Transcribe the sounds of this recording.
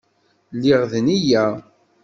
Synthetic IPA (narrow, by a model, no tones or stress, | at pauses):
lːɪʁðnijæ